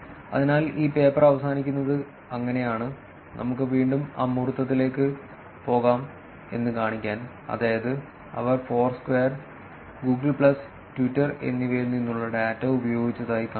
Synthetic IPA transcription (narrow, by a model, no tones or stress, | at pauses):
ɐ̰ðinaːliːpe̞ːpːɐrɐʋɐsaːnikʲːunːɐðɨ | ɐŋːɐne̞jaːɳɨ | nʔɐ̰mukːɨʋiːɳɖuma̰ːmːurut̪ːɐt̪ːile̞ːkːɨ | po̞ːɣaːm | e̞̰nːɨkaːɳikʲːaːn | ɐ̰ðaːjɐðɨ | ɐ̰ʋɐrfo̞ːrskʋeːɐr | ɡuːɡɐɭpɭɐs | tʋitːɐre̞̰nːiʋeːɾunːinːuɭːɐɽaːtːɐubɐjo̞ːɡit͡ɕːɐðaːjika